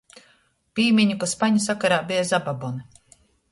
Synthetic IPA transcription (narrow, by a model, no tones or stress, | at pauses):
piːmʲiɲukaspaɲusakaɾaːbijazababɔnɨ